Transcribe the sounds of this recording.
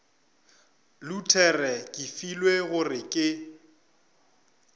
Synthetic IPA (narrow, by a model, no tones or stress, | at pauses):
lutʰɛrɛkʼɪfilweɣʊrɪkʼɪ